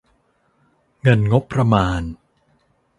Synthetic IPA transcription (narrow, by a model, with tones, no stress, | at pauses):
ŋɤ˧nŋo˦˥pːɾa˧maː˧n